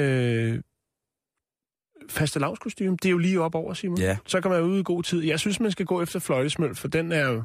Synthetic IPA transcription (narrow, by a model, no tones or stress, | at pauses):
ø | fæsd̥əlɑ̈ʊ̰skʰosd̥y̰ːmd̥e̝jo̝liːɒ̽b̥ɒʊ̰ɐsiːɐmusɒ̽kʰæmænjuð̰ˠɡ̥o̝̰ːt͡sʰið̞̰ˠjɑ̈ɪsynsmænsɡ̥æɡ̥ɔ̰̽ːefd̥ɐflɒ̽ɪd̥əsmøl̰fɒ̽d̥enæɐjo